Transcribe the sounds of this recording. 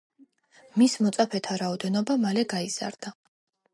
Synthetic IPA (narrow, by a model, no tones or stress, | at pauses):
mismɔt̪sʼapʰɛt̪ʰaɾaɔd̪ɛnɔbamalɛɡaiz̥a̰ɾd̪a